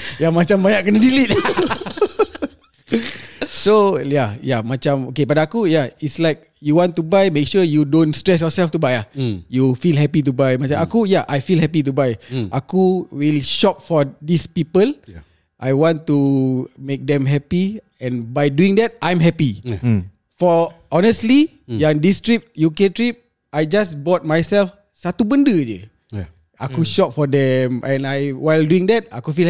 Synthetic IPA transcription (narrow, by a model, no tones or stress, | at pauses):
jamat͡ʃamːajaʔkənadilit̪̚ | sojajamat͡ʃãmokepadaːkujaitslaɪk̚ | juwɔ̃nt̪ubajmek̚ʃujudõnstɹɛs̬jɔsɛlft̪ubajajufilɦɛpit̬ubajmat͡ʃãmakujaʔajfilhɛpit̬ubajʔakuwilʃɔp̚fɔdispipəl | ʔajwɔ̃ntːumek̚d̪ɛ̃mɦɛpi | ɛ̃nbajduĩŋdɛt̚ãjmɦɛpi | fɔɔnəstli | jãndistɹip̚juketɹip̚ | ʔajd͡ʒasbɔt̚majsɛlf | sat̪ubə̃ndəd͡ʒə̰ | akuʃɔp̚fɔdɛ̃mʔɛ̃najwajlduĩŋdɛt̚akufil